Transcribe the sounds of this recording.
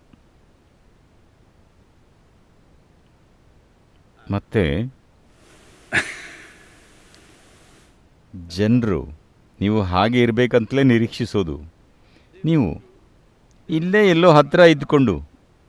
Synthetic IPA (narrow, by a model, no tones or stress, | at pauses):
mɐt̪ːḛ | d͡ʒenɾṵ | niːʋuɦaːɡe̞iɾɐbe̞ːkɐnt̪leːniɾiːkʂiso̞ːd̪ṵ | niːʋṵ | ilːe̞ːɛlːo̞ːɦɐt̪ɾɐid̪ko̞ɳɖṵ